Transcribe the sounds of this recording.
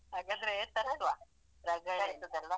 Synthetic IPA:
ɦaːɡaːnd̪ɐɾet̪ɐɾt̪ʋa | ɾɐɡɐaːt̪ːɐd̪ɛlːɐ

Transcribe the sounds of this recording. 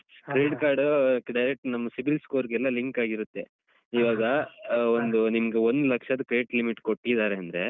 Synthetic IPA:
kɾeːɖkaːɾɖɖɐjɾek̚ʈnɐmːɐsibɾilskoːɾɡɛlːɐliŋkaːɡiɾut̪ːe̞ | iʋaːɡɐond̪unimɐɡeond̪lɐkʂɐd̪ɐkɾeːʈlimiʈko̞ʈːid̪aːɾeɐnd̪ɾe̞

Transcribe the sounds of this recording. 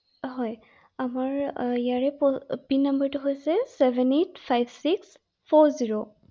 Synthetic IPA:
ɦɔj | amaɹijaɹɛpɔpinːəmbəɹtʊɦojsɛsɛbɛnet̚ʰpʰajbsiks | pʰɔɹziɹo

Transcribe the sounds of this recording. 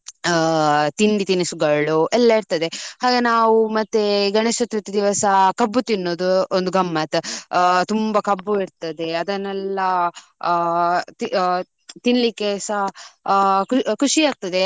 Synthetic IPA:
t̪inɖ̪it̪inisuɡɐɭuʔɛlːɐiɾt̪ɐd̪e̞haːɡenaːʋumɐt̪ːeɡɐɳesɐt̪ut̪ːɐd̪iʋɐsɐkɐbːut̪inːoːd̪uond̪uɡʱɐmːɐt̪t̪umbɐkɐbːuiɾt̪ɐd̪e̞ɐd̪ɐnːɛlːɐ | t̪ | t̪inlikːesɐɦ | kkʰuʂiaːɡ̚t̪ɐd̪e̞

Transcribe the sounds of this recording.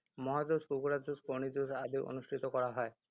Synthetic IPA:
mɔɦad̪oskukuɾad̪uskonid̪usab̪iwʔo̰nuʃʈʰit̪okɔɾaɦɔe

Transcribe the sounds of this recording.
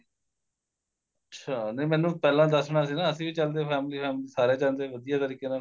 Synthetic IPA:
ətːʃʰaːnəimɛ̃ːnũːpɛːlãːd̪əsɳaːs̬iːnãːəsĩːʋiːt͡ʃəld̪eːpʰɛːmliːpʰɛːmliːsaːɾeːt͡ʃalnd̪eːʋəd̪ijaːt̪əɾiːkeːnaː

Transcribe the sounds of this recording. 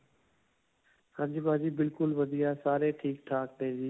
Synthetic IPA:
hãːd͡ʒiːbãːd͡ʒiːbɪlkʊlʋəd̪ʱiːaːsaːɾeːʈʰiːk̚ʈʰaːk̚ɗẽːd͡ʒiː

